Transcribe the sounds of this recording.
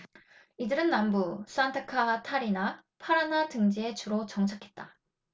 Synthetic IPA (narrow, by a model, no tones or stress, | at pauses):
idɯɾɯnːambus͈ʰuantʰɯkʰatʰaɾinapʰaɾanatɯŋd͡ʑie̞t͡ɕuɾot͡ɕʌŋt͡ɕʰakʰe̞t̚t͈a